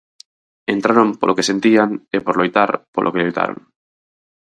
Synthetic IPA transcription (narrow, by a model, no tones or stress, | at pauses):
ent̪ɾaɾõmpolʔokese̞nt̪iaŋepoɾlojt̪aɾpo̰lʔokelojt̪a̰ɾo̰ŋ